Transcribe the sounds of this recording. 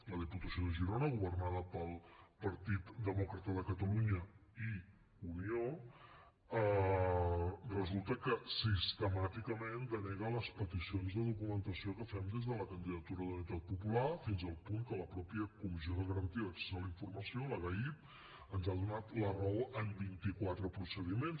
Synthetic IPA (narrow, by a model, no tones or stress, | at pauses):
ləð̞iput̪əsioðəʒiɾonəɣ̞uβərnað̞əpəlˠpəɾt̪it̪d̪əmɔkɾət̪əðəkət̪əluɲəi | unio | ə | rəzulˠt̪əkəsist̪əmat̪ikəmend̪ənɛɣələspət̪isionzðəðukumənt̪əsiokəfɛmd̪ezðələkənd̪iðət̪uɾəðunit̪at̪̚pupulafinzəlˠpuŋkələpɾɔpiəkumizioðəɣəɾənt̪iəksə̥saliɱfurməsioləɣəip̚ | ənzaðunat̪lərəoʔəmbint̪ikwat̪ɾəpɾusəð̞imens